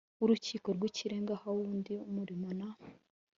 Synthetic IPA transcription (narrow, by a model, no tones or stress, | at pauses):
uɾuciːko̞ɾɡwiciɾeːŋɡahawuːndiumuɾimona